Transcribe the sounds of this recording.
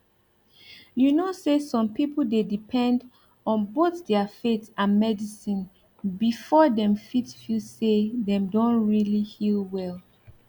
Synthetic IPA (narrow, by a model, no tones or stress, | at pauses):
junosesɔ̃mpipl̩dedipʰɛ̃nd | ɔ̃nboθdɛəfetãnmɛdisĩn | bifɔdɛ̃mfitfusedɛ̃mdõntɹilihilˠwɛl